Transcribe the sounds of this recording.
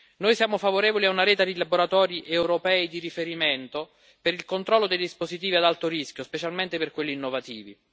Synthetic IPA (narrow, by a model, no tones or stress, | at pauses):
nojsjaːmofavoɾeːvoliaunaɾɛːt̪ad̪ilaboɾat̪ɔːɾiʔewɾopɛːid̪iɾifeɾiment̪o | peɾilkont̪ɾɔlːod̪ejd̪ispozit̪iːviad̪alt̪oɾiskʲjospet͡ʃalment̪eperkwelːiːnːovat̪iːvḭ